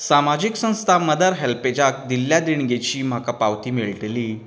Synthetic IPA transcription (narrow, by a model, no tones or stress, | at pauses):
samad͡ʑiksə̃w̃st̪ʰaməd̪əɾɦelped͡ʑak̚d̪iljad̪iɳɡet͡ɕiːm̤akapawt̪iːmiɭʈeliː